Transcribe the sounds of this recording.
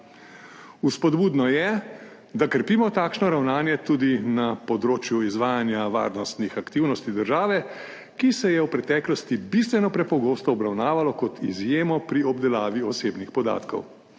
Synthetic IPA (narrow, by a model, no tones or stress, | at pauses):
uspɔd̪buːd̪nɔjɛ | d̪akəɾpiːmɔt̪aːkʃnɔɾawnaːnjɛt̪uːd̪inapɔd̪ɾoːt͡ʃjuizʋaːjanjaʋa̰ːɾnɔst̪nixakt̪iːwnɔst̪id̪əɾʒaːʋɛ | kisɛjɛwpɾɛt̪ɛːklɔst̪ibist̪ʋɛnɔpɾɛpɔɡoːst̪ɔːbɾawnaːʋalɔkɔt̪ḭzjeːmɔpɾiɔbd̪ɛlaːʋiɔseːbnixpɔd̪a̰ːt̪kɔ̰w